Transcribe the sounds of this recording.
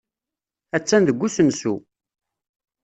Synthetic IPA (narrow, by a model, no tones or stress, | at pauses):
æt͡sːænðəɡʷːusənsu